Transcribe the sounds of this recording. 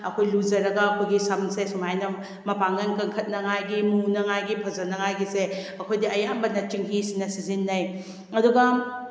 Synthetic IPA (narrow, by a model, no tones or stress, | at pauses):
ɐkʰojluzɐɾɐɡɐːkʰojɡisɐmsesumajnɐ | mɐpaŋɐnkɐŋkʰɐt̚nɐŋajɡimunɐŋajɡipʰɐzɐnɐŋajɡiseɐkʰojdiʔɐjambɐnɐt͡ʃiŋɦisinɐsizinːɐj | ɐduɡɐ